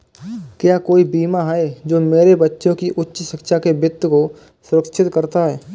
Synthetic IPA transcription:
kjakoːibiːmaɦaed͡ʒoːmeːɾebɐtːʃõkiʔʊtːʃʃɪkʃakebɪt̪ːəko | sʊɾəkʃʰɪt̪kɐɾt̪aɦɛː

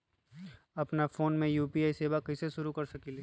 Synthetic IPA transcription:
ɐpnafoːnmẽjuːpiaːiseːʋakɐseʃʊɾukɐɾsɐkiːle

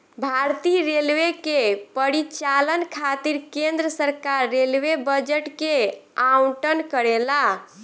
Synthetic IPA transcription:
bʱaɾt̪iɾelwekepəɾit͡ʃalənkʰat̪iɾkend̪ɾəsəɾkaɾːelwebəd͡ʒeʈkeauʈənkəɾela

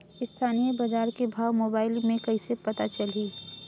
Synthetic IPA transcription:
ɪst̪ʰaːnijebɐd͡ʒaːɾkebʱaːwmoːbaːɪlmẽkɐɪsepɐt̪at͡ʃɐliː

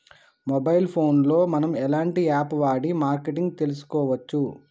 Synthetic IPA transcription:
mɔbɐjlpʰo̞ːnlo̞ːmɐnɐmɛlaːɳʈiaːpʋaːɽimaːɾkeʈiŋɡt̪e̞lus̬u̥kɔːʋɐt͡ʃːu

